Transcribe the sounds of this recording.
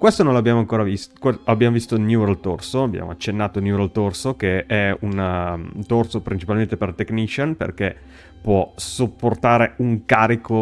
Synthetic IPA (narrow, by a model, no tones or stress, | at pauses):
kwest̪onõnloabːjaːmoaŋkoːɾavist̪keabːjaːmovist̪onjuɾlt̪orsoabja̰ːmo̰a̰t͡ʃːenːaːt̪onjuɾalt̪orsokeɛunt̪orsopɾint͡ʃipalment̪epert̪eknit͡ʃonpḛrke | pwɔsopːort̪aːɾeuŋkaːɾiko